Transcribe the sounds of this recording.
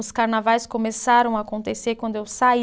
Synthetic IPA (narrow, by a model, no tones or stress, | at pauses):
ʊskaɾnavajskomesaɾɐ̃w̃aːkõnt̪eseɾkwɐ̃nd̪ʊewsai